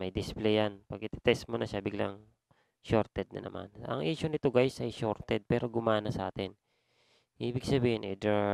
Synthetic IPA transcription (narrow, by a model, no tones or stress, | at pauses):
mɐjd̪ɪsplɛjanpɐɡʔɪt̪ɛ̥t̪ɛsmonɐʃabɪɡla̰ŋ | ʃoɾt̪ɛd̪̚nɐ̰nɐ̰mʔa̰nʔɐ̰ŋʔiːʃʊnɪt̪o̞ɡajsʔɐjʃoɾt̪ɛd̪̚pɛːɾo̞ɡʊmaːnɐsɐʔaːt̪ɪn | ʔiːbɪɡ̚sɐbiːhɪnʔḭd̪ɛ